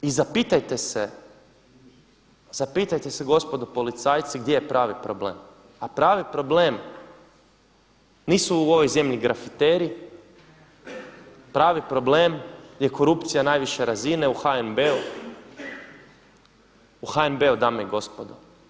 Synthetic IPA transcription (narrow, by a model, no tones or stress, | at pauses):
izapiːt̪ajt̪e̞se | z̥apiːt̪ajt̪eseɡo̞spo̞d̪opo̞lit̪sajt̪siɡd̪je̞jepɾaːʋipɾoble̞̰ːm | apɾaːʋipɾo̞ble̞ːm | niːsuuo̞ʋo̞jze̞mʎiɡɾafit̪eːɾi | pɾaːʋipɾo̞ble̞ːmje̞ko̞ɾupt̪sijanaːjʋiʃe̞ɾazine̞uxaenbeu | uxaenbe̞ud̪amjiɡo̞spod̪o